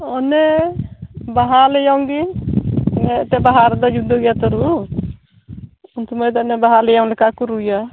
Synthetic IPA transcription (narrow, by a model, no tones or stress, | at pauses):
ɔnɛ | baɦalɛjɔŋɡi | nɛt̪ɛbaɦaɾd̪ɔd͡ʒud̪ɔɡjat̪ɔɾu | unt̪ʰumajd̪ɔɔnɛbaɦalɛjɔŋlɛkakuɾuja